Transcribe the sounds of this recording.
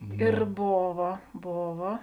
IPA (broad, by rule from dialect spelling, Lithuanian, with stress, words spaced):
ɪr ˈboːʋɐ ˈboːʋɐ